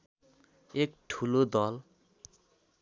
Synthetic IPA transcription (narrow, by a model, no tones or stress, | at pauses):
ekʈʰulod̪ʌl